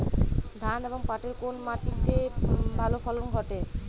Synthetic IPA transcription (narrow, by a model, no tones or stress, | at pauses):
d̪ʱaneboŋpaʈeɾkonmaʈit̪ebʱalofɔlonɡʱɔʈe